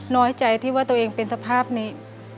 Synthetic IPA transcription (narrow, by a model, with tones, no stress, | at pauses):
nɔː˦˥jt͡ɕa˧jt̪ʰiː˥˩waː˥˩t̪u˧ʔeː˧ŋpe˧nsa˧pʰaː˥˩p̚niː˦˧˥